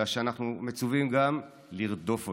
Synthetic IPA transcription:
aʃeanaχnume̞t͡suvimɡam | liʁd̪o̞fo

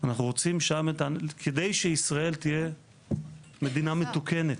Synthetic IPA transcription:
anaχnuʁo̞t͡simʃametakʰed̪ejʃeisʁae̞lt̪ije̞ | me̞d̪iname̞t̪uke̞net̪

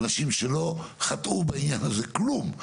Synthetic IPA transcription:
naʃimʃelo̞χat̪ʔubainjanaze̞klum

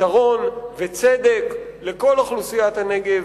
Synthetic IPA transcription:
aʁo̞nvet͡sed̪e̞k | le̞ko̞laχlusijat̪hane̞ɡe̞v

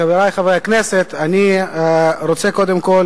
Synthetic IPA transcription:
aveɾajχavɾeakneset̪ani | ɾot͡sekod̪emkol

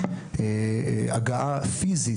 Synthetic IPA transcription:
eaɡaʔafizi

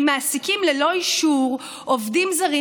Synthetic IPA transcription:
maːsikimlelo̞iʃuʁ | ovdimzaʁi

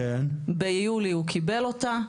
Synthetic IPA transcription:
enbejuliukʰibe̞lo̞t̪a

